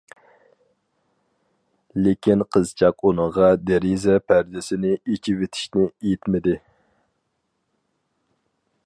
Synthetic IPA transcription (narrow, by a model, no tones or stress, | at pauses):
lɪkʲinqʰəzt͡ʃʰɑqunəʁɑd̪eɾizɛpʰæɾd̪ɪsɪnɪet͡ʃʰivet̪ʰɪ̥ʃnɪejt̪mɪd̪ɪ